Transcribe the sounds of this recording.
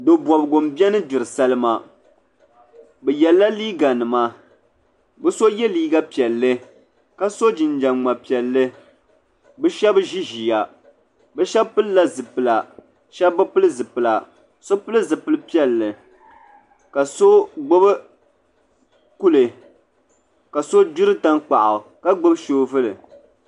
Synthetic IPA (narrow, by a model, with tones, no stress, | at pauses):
do˨bɔ˨bɡo˨mbɛ˦nɨ˦dɪ˨ɾɨ˨sa˦lɨ˦ma˦ | bɛ˨jɛ˨lːa˦liː˦ɡa˨nɨ˨ma˦ | bɨ˦so˦jɛ˦liː˦ɡa˦pi˨ɛ˨lːɨ˦ | ka˦so˦d͡ʒɪ˨nd͡ʒa˨nŋ͡ma˨pi˨ɛ˨lːɨ˦ | bɨ˦ʃɛ˦bʒi˦ʒi˨ja˨ | bɛ˦ʃɛ˦bpɨ˦lla˦zɨ˨pɨ˨la˨ | ʃɛ˦bbɨ˦pɨ˦lɨ˦zɨ˨pɨ˨la˨ | so˦pɨ˦lɨ˦zɨ˨pɨ˦lɨ˦pi˦ɛ˦lːɨ˨ | ka˨so˦ɡ͡bo˦bɨ˦ | ku˦lɨ˨ | ka˨so˦d͡ʒu˦ɾɨ˦ta˦nk͡pa˨ʔa˨ka˦ɡ͡bo˦bʃoː˦vɨ˦lɨ˨